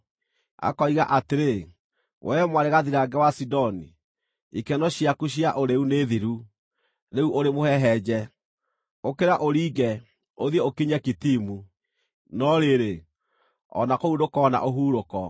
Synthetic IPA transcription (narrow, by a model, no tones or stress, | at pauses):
a̰kɔiɣaʔateɾe | wʔɛmwaɾeɣaðiɾaɡɛwasidɔni | ikɛnɔɕiakuɕ̬iaʔoɾeuneðiɾu | neuʔoɾemohɛɦɛd͡ʑɛ | okeɾaʔoɾiːɡɛ | oðiɛokiɲakitimu | nɔɾeɾe | ɔ̰nakoudokɔna̰ʔoɦuːɾokɔ